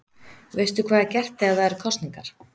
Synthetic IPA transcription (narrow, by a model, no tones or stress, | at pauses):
veːjst̪ʏkʰv̥aːðacɛr̥t̪ɪaθaɛɾkʰɔsniŋkaɾ̥